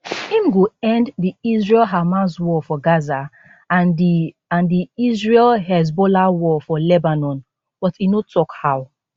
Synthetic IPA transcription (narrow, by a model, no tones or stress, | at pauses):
ĩmɡoɛ̃nddiizɹɛlɦamaswɔfɔɡaza | n | ãndiizɹelɦɛz̬bɔlawɔfɔlɛbanɔ̃n | b̥ɔtinotʰɔkhaw